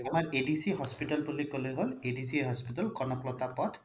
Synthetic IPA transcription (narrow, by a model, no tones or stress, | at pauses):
amaɹedisiɦɔspiʈɔlbulikoleɦoledisiɦɔspitɔlkɔnɔplɔt̪apɔt